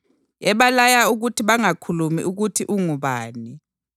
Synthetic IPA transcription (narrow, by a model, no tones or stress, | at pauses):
ɛβalajauɣutʰiβaŋakʰulumḭʔuɣutʰiʔuŋuβaːni